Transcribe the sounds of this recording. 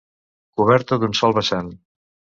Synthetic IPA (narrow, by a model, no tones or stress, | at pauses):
kuβɛɾt̪əd̪unsɔlˠβəsan